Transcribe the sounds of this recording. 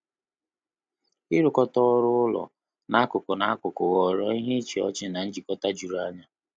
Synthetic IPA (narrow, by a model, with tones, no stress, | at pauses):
i˦ɾʊ˨kɔ˦tɔ˦ɔ˦ɾʊ˦ʊ˦lɔ̰˨ | na˦kʊ˨kʊ˨na˨a˦kʊ˨kʊ˨ɣɔ˨ɾɔ˦i˦ɦe˦t͡ʃi˨ɔ̰˦t͡ʃɪ˦na˨n̩˦d͡ʒi˨kɔ˦ta˦d͡ʒu˨ɾa˦ɲa˦